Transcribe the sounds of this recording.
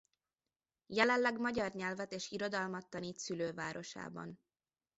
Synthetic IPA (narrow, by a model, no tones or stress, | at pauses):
jɛlɛnlɛɡmɒɟɒrɲɛlvɛt̪eːʃiɾo̞d̪ɒlmɒt̪ːɒniːt̪syløːva̰ːɾʔo̞ʃa̰ːbɒ̰n